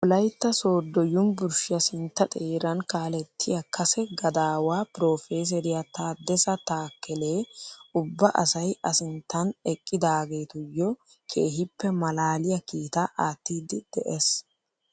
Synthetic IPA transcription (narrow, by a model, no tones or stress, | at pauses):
wʊlɐjt̪ːɐso̞ːd̪ːɔjʊmbʊɾʃɪjɐsɪnt̪ːɐt̪ʼeːɾɐnkaːlɛt̪ʰːɪjɐkːɐsɛɡɐd̪aːwaːpɪɾo̞ːfeːs̬ɛɾɪjɐt̪aːd̪ːɛsɐt̪aːkːɛleːʊbːɐʔɐ̰sɐjɐsɪnt̪ːɐnɛkʼːɪd̪aːɡe̞ːt̪ʊjːɔ | kʰḛːɦɪpːɛmɐlaːlɪjɐkiːt̪aʔaːt̪ːiːd̪ɪd̪̥ɛʔes